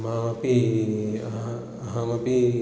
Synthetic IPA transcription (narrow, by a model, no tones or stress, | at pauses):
mamɐpi | ɦãmɐpi